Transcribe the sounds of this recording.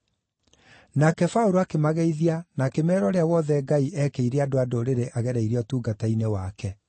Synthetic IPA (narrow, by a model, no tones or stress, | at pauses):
nakɛfaoɾoakemaɣeiðianakemɛːɾɔɾeawɔðɛɡaiʔɛkeiɾeadoadoɾeɾeʔaɣɛɾɛiɾiɔtuːɡatainewakɛ